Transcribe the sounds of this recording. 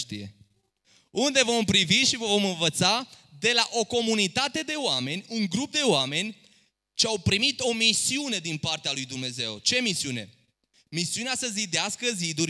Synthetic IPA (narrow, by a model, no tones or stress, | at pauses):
ʃt̪ḭje̞̰ | und̪e̞vo̞mpɾiviʃivəvo̞mɨnvət̪sad̪e̞laʔo̞ko̞munit̪at̪e̞d̪e̞oame̞nʲuŋɡɾup̚d̪e̞oame̞nʲ | t͡ʃeawpɾimit̪o̞misiune̞d̪inpart̪ealujd̪umne̞ze̞wt͡ʃe̞misiune̞̰ | misiuneasəzid̪easkəzid̪uɾʲ